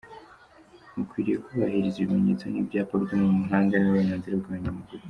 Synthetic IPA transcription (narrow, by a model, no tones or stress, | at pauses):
mukwiːɾije̞kuβahiɾiziβime̞ɲe̞t͡so̞nivɟaːpoɾitimumuɦaːndenuɾe̞ːɲaːnziɾabɡaβaɲamuɡuɾu